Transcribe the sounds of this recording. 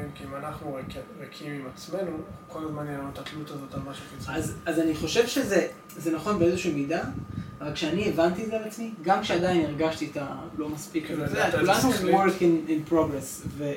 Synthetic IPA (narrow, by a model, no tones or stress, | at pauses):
mkiimanaχnuʁekʁekʰimimat͡sme̞nuko̞lazmanenut̪at̪lut̪azo̞t̪amaʃufit͡sazazaniχo̞ʃe̞vʃeze̞ | ze̞naχo̞nbeezeʃiːmidaavalkʃeanievant̪iezealat͡smiɡamkʃeadajineʁɡaʃt̪ietalo̞maspikazazeakulanuwoɾkininpʁo̞ɡʁes | ve